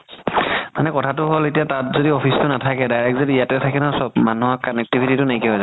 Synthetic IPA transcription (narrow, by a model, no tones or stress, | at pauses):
manɛkɔtʰatʊɦoletijatatzodiɔpʰistʊnatʰakɛdajɹɛkzodijatɛtʰakɛnɔsɔbmanuɦɔkːɔnɛk̚tibʱititʊneikiɦojza